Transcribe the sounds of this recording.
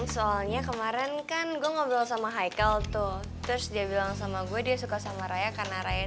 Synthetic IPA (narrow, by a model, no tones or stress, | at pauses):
soalɲakəmaɾɛnkanɡuaŋabəlalsamaɦajkalt̪ʊh | t̪ɾʊsdiabilaŋsamaɡuɛdiasukasamaɾajakarnaɾaja